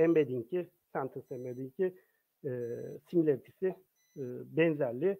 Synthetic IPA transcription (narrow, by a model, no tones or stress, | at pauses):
ɛmbed̪iɲcʰi | sænt̪ʰɯsɛmbed̪iɲcʰi | similʲet̪ʰisɪ | bɛnzæɾʲlʲɪ